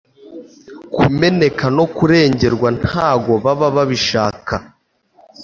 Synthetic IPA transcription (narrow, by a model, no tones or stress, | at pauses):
kume̞ne̞kano̞kuɾe̞ːɲɟe̞ɾɡwan̥aːɡo̞βaβaβaβiʃaːka